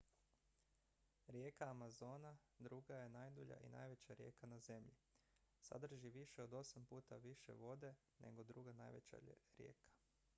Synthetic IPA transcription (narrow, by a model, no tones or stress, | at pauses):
ɾje̞kaːmazo̞ːnad̪ɾuɡaje̞naːjd̪uʎa̰ʔḭna̰jʋe̞t͡ɕaɾje̞̰ːkʰanaze̞mʎi | sa̰d̪r̩ʒiʋiʃeod̪o̞sampuːt̪aʋiʃḛʋo̞d̪e̞ | nʔe̞̰ɡo̞d̪ɾuɡana̰jʋḛt͡ɕa̰ɾje̞̰ːkʰḁ